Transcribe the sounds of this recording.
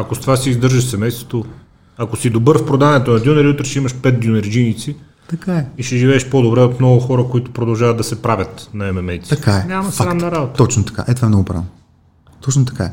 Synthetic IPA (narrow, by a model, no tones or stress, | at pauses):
ɐkost̪ovasiːzd̪ɤɾʒɐʃsɛmɛjst̪vo̥t̪o | ɐkosid̪obɤɾfpɾod̪avɐnɛt̪onɐd̪ʲunɛɾiut̪ɾɛʃɛimɐʃpɛt̪̚ɡʲionɛɾd͡ʒinit̪si | t̪ɐkaɛiʃɛʒivɛːʃpod̪obɾɛot̪mnɔɡʊxɔɾəkoit̪ʊ̥pɾod̪ɐlˠʒavɐd̪̚d̪ɐsɛpɾavʲət̪nɐɛmɛmɛjt̪sikaɛnʲamɐsaɾamnɐɾabot̪ə̥ɔt͡ʃnot̪ɐ̥ka̰ʔɛt̪ovaɛmnɔɡʊpɾavno | t̪ɔt͡ʃnot̪ɐ̥kaɛ